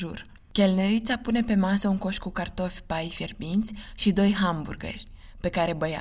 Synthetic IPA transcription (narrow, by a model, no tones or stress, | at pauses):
ʒur | kʲelneɾit̪sapune̞pe̞masəuŋko̞ʃkukart̪o̞fʲbajferbint̪sʲʃid̪o̞jɦambṵrɡə̰rʲ | pe̞kaɾe̞bəja̰